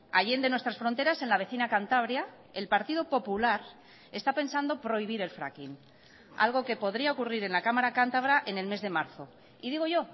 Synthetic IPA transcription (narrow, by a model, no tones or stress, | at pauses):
a̰ʝend̪e̞nwe̞st̪ɾasfɾo̞nt̪e̞ɾase̞nlaβe̞θinakant̪aβ̞ɾja | elpaɾt̪iðopo̞pulaɾ | e̞st̪ape̞nsand̪o̞pɾo̞iβ̞iɾe̞lfɾa̰kin | a̰lɣ̞o̞ke̞po̞ðɾiaokuriɾe̞nlakamaɾakant̪aβ̞ɾaʔe̞ne̞lme̞zðe̞maɾθo̞ | iðiɣo̞ʝo̞